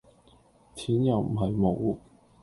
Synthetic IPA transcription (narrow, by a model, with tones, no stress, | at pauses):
tʰiː˨˥njɐ˨wm̩˨˩ɦɐ˨jmo˨˧w